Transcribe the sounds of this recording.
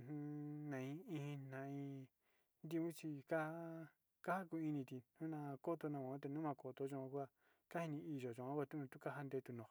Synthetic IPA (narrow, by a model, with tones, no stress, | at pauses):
n̥ũ˦˧nã˨ĩ˧ĩ˧hĩ˧nã˧ĩ˧ | nd̪i˦˧ũ˦t͡ʃi˧ka˦ | ka˦ha˦ku˧ĩ˧nĩ˧t̪i˧nũ˦nã˧ko˦t̪o˧nã˧kã˨˦t̪̬e˧nũ˦mã˧ko˨t̪o˧˦ʒõ˧kʷa˦˧ | ka˦i˧nĩ˧i˧ʒo˨ʒõ˧˨˧ã˦kʷa˧t̪u˦nũ˧t̪u˦ka˦ɦa˦˧nd̪e˧t̪u˧nõ˨